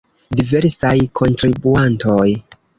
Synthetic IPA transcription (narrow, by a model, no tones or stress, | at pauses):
dive̞ɾsajkʰo̞ntɾibuanto̞j